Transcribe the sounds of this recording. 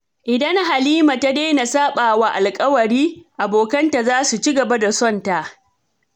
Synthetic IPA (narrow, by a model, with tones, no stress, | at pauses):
ʔɪ˨dɐ˦ŋɦa˨liː˦ma˨ta˦deː˦na˨saː˦ɓaː˨wa˦ʔa˨lkʼɐ˦wɐ˨ɾiː˦ʔa˨boː˨kɐ˦nta˨zaː˦su˨t͡ʃi˦ɡɐ˨ba˦da˨sɔ˦nta˨ʔ